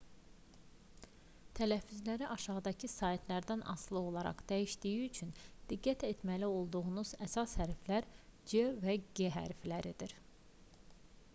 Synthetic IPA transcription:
t̪ʰælæfːyzlæɾiʔɑʃɑʁd̪ɑcʰisɑit̪ʰlæɾd̪ænʔɑ̰slˠɯo̞lˠɑɾɑ̰χd̪̥æjiʃd̪ijiyt͡ʃʰynd̪̥iɡːæt̪ʰe̞t̪mælio̞lˠd̪uʁunuz̥æsɑshæɾflæɾd͡ʒevæɡeɦæ̰ɾflæɾid̪iɾ

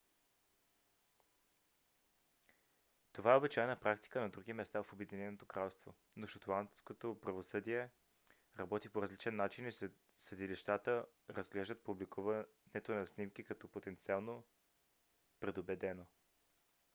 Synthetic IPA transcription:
t̪ovaɛobit͡ʃaɛnəpɾakt̪i̥kənɐd̪ɾuɡ̟imɛst̪afobɛd̪inɛnot̪okɾalˠst̪vo | noʃɐt̪lˠant̪skot̪opɾɐvosɤd̪iɛ | ɾɐbɔt̪ipoɾɐzlit͡ʃɛnːat͡ʃini | səd̪iliʃt̪at̪ə | ɾəzɡlɛʒd̪ət̪̚publikʰuvənɛt̪onɐsnimk̟ikɐt̪ɔpot̪ɛnt̪sialˠno | pɾɛd̪obɛd̪ɛno

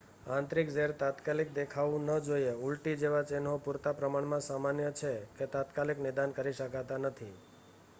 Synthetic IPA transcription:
ãnt̪ɾikd͡ʒeɾt̪at̪kalik̚d̪ekʰaʋũnəd͡ʒoieulʈid͡ʒeʋat͡ʃenɦopuɾt̪apɾəmaɳmãsamanjət͡ʃʰeket̪at̪kaliknid̪ankəɾiʃəkat̪anət̪ʰi

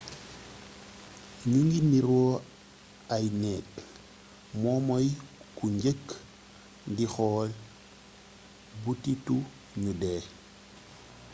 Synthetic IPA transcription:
ɲuŋɡimiɾɔ | ajnɛːt | mɔmɔjkuɲɟək | ndixɔːl | butitu | ɲudeː

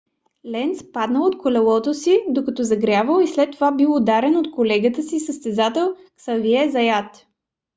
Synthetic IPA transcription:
lɛnt̪spad̪nəlˠot̪kʰolɛlˠɔt̪osid̪okɐt̪ɔzɐɡɾʲavəlˠislɛt̪ːovabilod̪aɾɛnot̪kolɛɡət̪əsisəst̪ɛzat̪ɛlˠ | ksɐviɛzɐjat̪

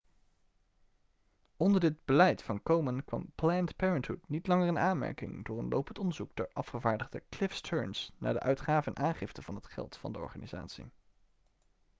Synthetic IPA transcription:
ɔndəɹdɪd̚bəlɛjtfɑnkowmənkʋɑ̰mplɛntpɛɹəntɦutnitlɑŋərənaːnmɛ̰ɹkɪ̰ŋdʊːɹənlowpəntɔndəɹzukdɛɹʔɑfχəvaːɹdəʁdəklɪfstʰɜɹnsna̰ːdəʔœɥtχaːvəɛnʔaːnχɪftəv̥ɑnɦətχɛ̰lˠtfɑ̰ndəɔ̰ɹχa̰ːniza̰ːtsḭ

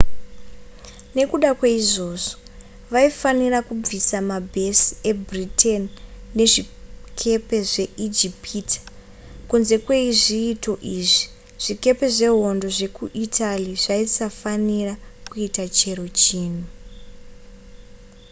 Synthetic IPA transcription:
ne̞kuɗakweiʐo̞ːʐo | ʋaifanirakub͡visamabʱe̞si̥e̞bʱriteniːe̞ʐikʰe̞pe̞ʐe̞ʔid͡ʒipiti̥ | kunze̞kwe̞iʐiːto̞ʔiːʐi | ʐ̥ike̞pe̞ʐe̞ɦo̞ndo̞ʐe̞kuʔitʰaliʐaisafanirakuitat͡ʃe̞ɾo̞t͡ʃiːn̤u

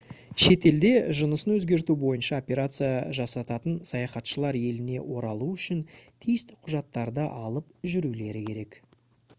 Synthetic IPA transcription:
ʃe̞t̪e̞ld̪e̞ʒənəsənwɵzɡʲe̞ɾt̪ubo̞jənʃɑo̞pʲe̞ɾat̪sɨjaʒɑsɑt̪ɑt̪ənsɑjɑχɑt̪ʃəlˠɑɾje̞lɪne̞wo̞ɾɑlˠuʏʃɪnt̪ʰijɪst̪ɪ̥qʰʊʒɑt̪ːɑɾd̪əʔɑlˠəp̚ʒʏɾule̞ɾɪkʲʰe̞ɾe̞k

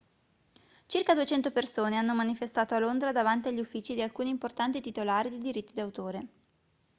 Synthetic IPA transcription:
t͡ʃirkad̪uet͡ʃɛnt̪opersoːneanːomanifest̪aːt̪oalːond̪ɾad̪avant̪iaʎːiufːiːt͡ʃid̪ialkuːniːmport̪ant̪it̪it̪olaːɾid̪id̪iɾit̪ːid̪awt̪oːɾe

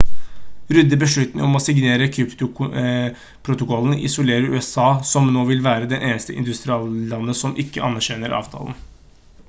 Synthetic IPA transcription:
ɾʉd̪ːəbəʂɭʉt̪nəɔmɔsɪɡneːɾəkʰɾʉpt̪ʊ | pʰɾʊt̪ʊkɔlənɪ̰sʊleːɾəɾʉ̰ːɛsɑːsɔmnoːʋɪlʋæːɾəd̪ɛnʔeːnəst̪əʔɪ̰nd̪ʉst̪ɾɪɑːllɑnːəsɔmʔɪkːəʔɑ̰nːæɾɕɛnəɾʔɑ̰ːʋt̪ʰɑ̰ːln

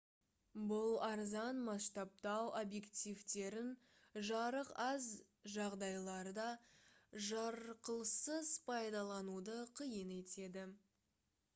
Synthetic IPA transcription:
bʊlˠɑɾzɑnmɑst̪ɑp̚t̪ɑwʔobje̞kt̪ijvt̪e̞ɾɪn | ʒɑɾəqɑz | ʒɑʁd̪ɑjlˠɑɾd̪ɑ | ʒɑɾqəlˠsəzpʰɑjd̪ɑlˠɑnud̪əqʰəjəne̞t̪e̞d̪ɪ

